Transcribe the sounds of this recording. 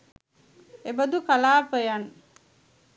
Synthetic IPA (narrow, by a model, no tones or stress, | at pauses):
ebəd̪ukalaːpəjan